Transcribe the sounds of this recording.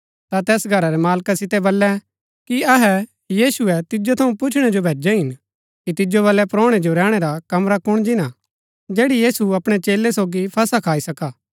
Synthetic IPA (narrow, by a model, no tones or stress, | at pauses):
t̪at̪ɛːsɡʱɐɾaɾɛmaːlkasɪt̪ɛboːlːɛ | kiɐɦɛ | jiːsʊɛt̪ɪd͡ʒot̪ʰɐũpʊt͡ʃʰɽ̃ɛd͡ʒobʱeːd͡ʒɛɦɪn | kit̪ɪd͡ʒobɐlɛpɾoːɽ̃ed͡ʒoɾɛːɽ̃eɾakɐmɾakʊɽ̃d͡ʒɪna | d͡ʒeːɽijiːsuɐpɽ̃et͡ʃeːlːɛsoːɡipʰɐsakʰaːisɐkaː